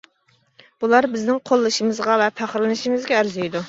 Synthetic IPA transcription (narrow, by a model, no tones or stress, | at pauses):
b̥ulˠɑɾbɪznɪŋqʰolˠːɨʃimɨzʁɑvɛpʰæχɾlɨnɨʃimɨzɡʲɛːɾzijd̪u